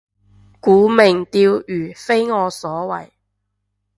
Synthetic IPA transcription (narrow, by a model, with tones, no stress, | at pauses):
kuː˨˥me˨˩ŋt̪iː˧wyː˨˩fe˥jŋɔː˨˧sɔː˨˥wɐ̰˨˩j